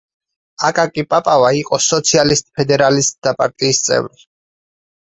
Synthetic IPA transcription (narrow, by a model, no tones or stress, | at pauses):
akʼakʼipʼapʼavaiqʼɔsɔt̪sʰialist̪ʼpʰɛd̪ɛɾalist̪̚ʼd̪̥apʼa̰ɾt̪ʼiːst̪sʼɛ̰vɾi